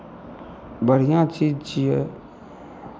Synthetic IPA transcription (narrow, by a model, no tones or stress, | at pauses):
bəɾ̤ijãt͡ʃiːd͡ʒt͡ʃije